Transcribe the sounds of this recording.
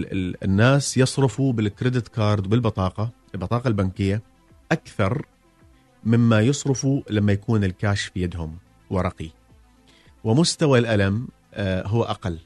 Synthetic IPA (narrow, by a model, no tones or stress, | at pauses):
ɪɪnːaːsjɨsˤɾɪfubɪlkɾɪd̪ɪt̪kɑːɾˤd̪bɪlbɨt̪ˤɑːqɑ | lbɨt̪ˤɑːqɑlbankɪjːa | ʔakθɑɾˤ | mɪmːajɨsˤɾɨfulamːajakuːnɪlkaːʃfjad̪hʊm | wɪɾˤɑqi | wɪmʊst̪awalʔalam | ɦʊwːʔaqalː